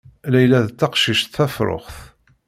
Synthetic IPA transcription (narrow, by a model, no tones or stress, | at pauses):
læjlæðt͡s̪ːɑqʃiʃt̪θæfɾˤo̰χθ